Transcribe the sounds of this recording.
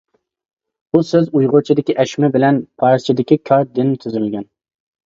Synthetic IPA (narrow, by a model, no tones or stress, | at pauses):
busøzujʁʊt͡ʃʰid̪ɪkʲiʔɛʃmɛbɪlɛnpʰɑɾzt͡ʃʰid̪ɪkʲikʲʰɑɾd̪ɪnt̪ʰyzylʲɡʲɛn